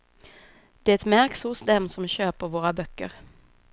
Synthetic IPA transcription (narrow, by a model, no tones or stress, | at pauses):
d̪̥ɛæɛt̪mæɾksʊsd̪ɛmsɔmɕøːpəɾvoːɾabœkːə̰ɾ